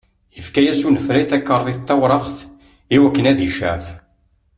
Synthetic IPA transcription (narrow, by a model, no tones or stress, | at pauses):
jəfkæjæsunəfɾajθækːəɾˤðˤiθt̪ːɑwɾˤɑʁθ | iwækːənæðiʃæ̰f